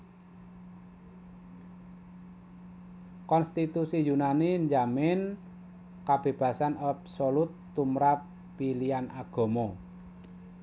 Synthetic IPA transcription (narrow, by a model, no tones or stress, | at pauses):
kɔnst̪it̪usijunaniɲd͡ʒamɪn | kab̥e̤b̥ä̤sanabsolut̪ːumɾapː | ilianaɡ̥ɔ̤mɔ